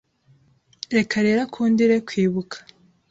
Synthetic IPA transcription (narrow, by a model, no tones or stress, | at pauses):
ɾe̞kaɾe̞ːɾakʰuːndiɾekwiːβukʰḁ